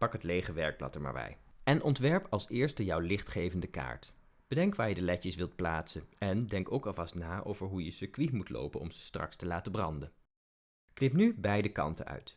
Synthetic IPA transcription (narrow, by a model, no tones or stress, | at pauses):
pɑkɦətlejχəʋɛɹk̚plɑ̰təɹma̰ːɹbɛ̰jɛnʔɔntʋɛɹpɑlˠsɪːɹstəjɑwlɪχtχejvəndəka̰ːɹt | b̥ədɛŋkʋaːɹjədəlɛcəsʋɪlˠt̚pla̰ːtsənɛndɛŋkowkɑlˠvɑstnaːʔowvəɹɦujəsəkʋimutlo̰wpənɔ̰mz̥ə̥strɑ̰kstəlaːtəbrɑ̰ndən | knɪpnybɛjdəkɑ̰ntə̰nœ̰ɥt